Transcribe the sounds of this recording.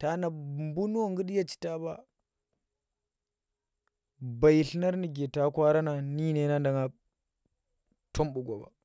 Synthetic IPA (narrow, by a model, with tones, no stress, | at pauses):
ta˨˦na˨mbu˦n˦wo˦ŋɡu˦ɗi˦ja˦t͡ʃi̥˨ta˦ba˦ | ba˨jɬna˦ɾni˨ɡe˨ta˦kʷa˦ɾa˦na˨ni˦ne˨˦na˦nda˨ŋa˨ | tʰo˦mbu˨ɡʷa˨ba̰˨